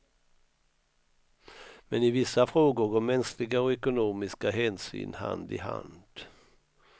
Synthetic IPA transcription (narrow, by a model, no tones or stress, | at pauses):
mɛnɪvɪsːafɾoːɡʊɾɡɔɾmɛnsklɪɡaɔɛkʊnuːmɪskaɦɛːnsy̰ːnha̰nd̪ɪ̰ɦa̰nd̪̥